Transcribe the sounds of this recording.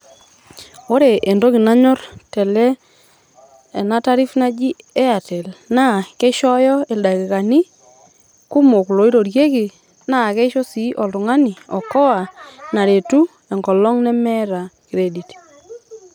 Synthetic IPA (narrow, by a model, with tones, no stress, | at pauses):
o˦ɾe˨ʔe˨ndo˦ki˨na˦ɲɔ˦rtɛ˨lɛ˦ | ɛ˨na˦ta˦ɾi˦fna˦d͡ʒi˦ | ɛ˦a˨tɛ˨lna˦ke˦ʃɔ˦jɔ˦e˨lda˨kɪ˨ka˨nɪ˦ | ku˦mo˨klo˨i˦ɾo˨ɾje˦ki˨ | na˦˨kɛ˦ʃo˦si˦ʔɔ˨ltʊ˨ŋa˦ni˨ɔ˨kɔ˦a˨na˨ɾe˨tu˦ | ɛ˨ŋɡɔ˨lɔ˦ŋnɛ˦mɛ˦ɾa˨ki˨ɾe˨di˨t